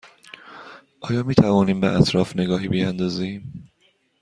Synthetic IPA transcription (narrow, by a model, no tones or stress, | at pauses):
ʔɒːjɒːmiːt̪ʰævɒːniːmbeʔæt̪ʰɾɒːfne̞ɡɒːɦiːbijænd̪ɒːzim